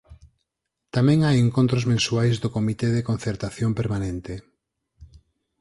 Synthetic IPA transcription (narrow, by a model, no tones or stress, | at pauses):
t̪amɛ̃ŋajeŋkõnt̪ɾozmẽnsuajzðokomit̪eðekonθeɾt̪aθjompeɾmanẽnt̪e